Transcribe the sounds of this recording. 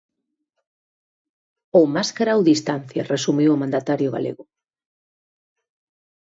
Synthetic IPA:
omaskaɾawðist̪an̟θjaresumiwomãnd̪at̪aɾjoɣa̰lḛɣʊ

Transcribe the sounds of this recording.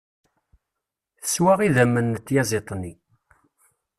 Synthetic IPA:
θəswaʁiðæmːənːət̪ːjæzˤet̪ˤnːi

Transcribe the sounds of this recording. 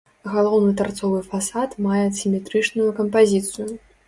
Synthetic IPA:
ɣalˠɔwnɨt̪art̪sɔvɨfasat̪majɛsʲimʲɛt̪ɾɨt͡ʂnujukɐmpazʲit̪sɨju

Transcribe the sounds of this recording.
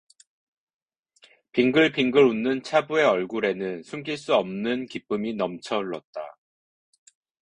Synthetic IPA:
piŋɡɯɭpiŋɡɯɾunːɯnt͡ɕʰabue̞ʌɭɡuɾe̞nɯnsʰuŋɡiɭs͈uʌmnɯnkip͈ɯminʌmt͡ɕʰʌɭːʌt̚t͈a̰

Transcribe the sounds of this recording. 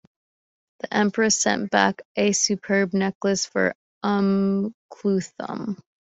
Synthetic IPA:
ðiʔɛ̃mpə˞ɨsɛ̰̃nb̥æ̰kʔɨsʉpʰɜ˞b̚nɛkləsfə̰˞ | ʌ̃mkʰl̥ʉθə̰̃m

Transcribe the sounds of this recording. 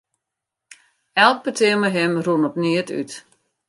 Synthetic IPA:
ɛlˠk̚pətʰɪəməɦɪmrunɔpniəty̰t

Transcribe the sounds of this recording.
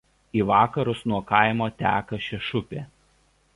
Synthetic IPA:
iːʋɑːkɐɾʊsnuɔkɑˑɪmoːt̪ʲæ̰ːkɐʃʲɛʃʊpʲeː

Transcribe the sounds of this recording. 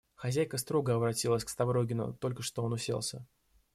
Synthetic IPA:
xɐzʲæjkəst̪ɾo̞ɡəɐbɾɐtʲilˠəsʲkst̪ɐvɾo̞ɡʲɪnʊ̰t̪o̞lʲkəʂt̪o̞onʊsʲḛlˠsʲə̰

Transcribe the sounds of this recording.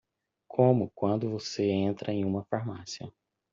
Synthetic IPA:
kʰõmʊkwɐ̃nd̪ʊvoseẽnt̪ɾʔɐẽj̃ũmɐfaɾmasiɐ

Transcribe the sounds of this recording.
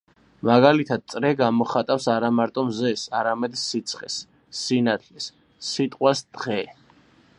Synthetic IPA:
maɡalit̪ʰad̪̥̚t̪sʼɾɛɡamɔχat̪ʼafsaɾamaɾt̪ʼɔmzɛsaɾamɛd̪sit̪sʰχɛsː | inat̪ʰlɛsː | it̪ʼqʼwasd̪̥ʁɛ

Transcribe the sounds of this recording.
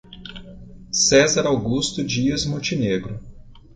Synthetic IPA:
sɛzɐɾawɡust̪ʊd͡ʒiɐzmõt͡ʃineɡɾʊ

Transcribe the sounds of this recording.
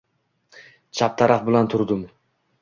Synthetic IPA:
t͡ʃʰap̚t̪ʰaɾafbɪlant̪ʰʊɾd̪ɪm

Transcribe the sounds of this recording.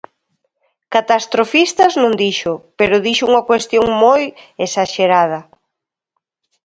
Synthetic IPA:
kat̪ast̪ɾofist̪ɐznõŋd̪iʃʊpeɾʊðiʃʊuŋɐkwest̪joŋmojesaʃeɾað̞ɐ

